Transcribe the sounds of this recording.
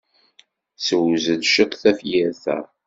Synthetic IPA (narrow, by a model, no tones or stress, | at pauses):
səwzəðʃəqθæfjɪɾθæ̰